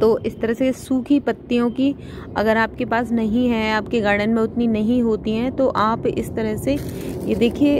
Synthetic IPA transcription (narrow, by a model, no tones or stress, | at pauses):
t̪oːʔɪst̪ɐɾəɦsesuːkʰɦipɐt̪ːijõki | ɐ̰ɡəɾaːp̚kepaːsnɐɦĩɦɛ̃aːpkeɡɐːɽənmẽʊt̪ninɐɦĩɦoːt̪iɦɛ̃ːt̪oʔaːpɪ̰st̪ɐɾəɦsejed̪eːkʰie